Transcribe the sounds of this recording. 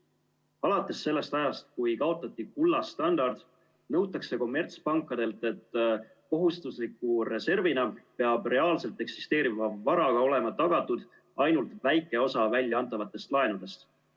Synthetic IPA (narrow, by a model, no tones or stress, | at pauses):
ɑlɑt̪ːˑe̞sːe̞lːe̞st̪ɑjɑst̪̚kujkɑo̞t̪ːˑɑt̪ʲːˑikulːɑst̪ɑnd̪ɑrd̪̥ | nɤ̞wt̪ːˑɑkse̞ko̞mːe̞rt̪spɑŋkːˑɑd̪e̞lt̪ːˑe̞t̪ː | ko̞ɦust̪uslikːˑuɾe̞se̞rvinɑpe̞ɑbre̞ɑːlse̞lt̪ˑe̞ksi̥st̪e̞ːɾivɑvːɑɾɑɡ̥ɑo̞le̞mɑt̪ɑɡ̥ɑt̪ːud̪̥ | ɑjnult̪væjkːˑe̞o̞sɑvælʲːjɑɑnt̪ːˑɑvɑt̪ːˑe̞st̪lɑe̞nud̪e̞st̪